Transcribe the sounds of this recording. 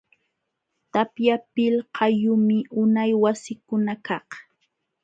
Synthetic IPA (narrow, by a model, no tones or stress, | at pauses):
t̪apjapɪlhʰɑjʊmɪʔʊnajwasɪkʊnakɑχ